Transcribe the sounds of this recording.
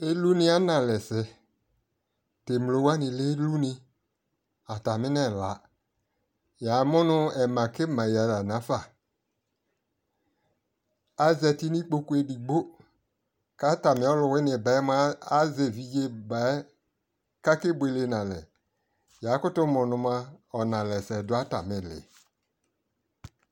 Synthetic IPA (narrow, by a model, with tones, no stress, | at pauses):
e˦lu˦nɪ˦a˦nã˨lɛ˨sɪ˨ | te˨m˨lo˨˦wa˦nɪ̃˨le˦lu˦nɪ̃˧ | a˨ta˨mɪ˦nɛ˦˨la̰˨ | ja˨˦mʊ˦nʊ˦ɛ˨mã˨ke˦mã˨ja˨la˨nã˨˦fa˨ | a˨zɛ˨ti˦nĩ˦k͡po˦ku˦e˦di˨ɡ͡bo˦ | ka˦ta˨mɪ̃˦ɔ˦lʊ˨wɪ˦nɪ̃˨ba˨˦ɛ˦m˦a˦a˦ze˨vi˨je˦ba˨˦ | ka˦kɪ˦bʷwe˨le˨nã˨lɛ̰˨ | ja˨˦kʊ˦tʊ˦mʊ̃˨nʊ̃˨ma˦ɔ˨nã˨lɛ˨sɛ˨dʊ˨˦a˦ta˨mɪ̃˨lɪ̰˨